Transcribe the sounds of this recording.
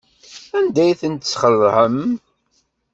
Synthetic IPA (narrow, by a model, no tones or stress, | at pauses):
ænd̪æjθənt̪t͡sːχərːhəm